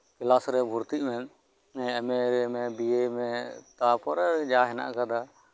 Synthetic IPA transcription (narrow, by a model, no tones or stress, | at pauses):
kɪlaːsɾɛbʱʊɾt̪imẽ | ɛ̃əmeɾemẽːbiːemẽːt̪aːpɔɾɛd͡ʒaːɦɪna̰ʔkəd̪aː